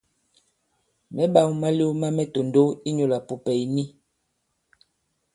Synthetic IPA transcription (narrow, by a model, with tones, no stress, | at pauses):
mɛ˦ɓa˨wma˦li˦ma˦mɛ˦to˨ndo˦i˦ɲo˨la˨pu˨pɛ˨jni˦